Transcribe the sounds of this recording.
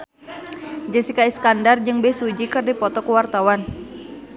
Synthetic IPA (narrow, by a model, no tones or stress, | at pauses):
d͡ʒɛsikaiskandard͡ʒɨŋbɛsud͡ʒikɨrdipɔt̪ɔkuwart̪awan